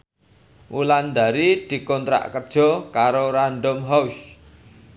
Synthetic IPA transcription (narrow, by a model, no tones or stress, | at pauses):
ʔuland̪a̤ɾid̪̥i̤kɔnt̪ɾa̰ʔkərd̥ʒ̥ɔ̤kaɾoɾanɖɔmɦaus